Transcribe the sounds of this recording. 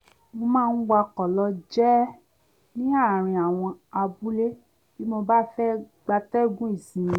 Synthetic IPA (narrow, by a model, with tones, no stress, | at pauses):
mo˧mãː˦˧n̩˦wa˧kɔ˨lɔ˧d͡ʒɛ˦ | nĩ˦a˦˨ɾ̃ĩ˧a˨w̃ɔ̃˧a˧bu˦le˦ | ki˦mo˧ba˦fɛ˦ | ɡ͡ba˧tɛ˦ɡũ˦i˦˨sĩ˨˧